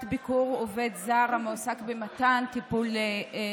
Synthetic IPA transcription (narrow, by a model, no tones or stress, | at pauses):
tbikuʁovedzaʁamosakbematantipule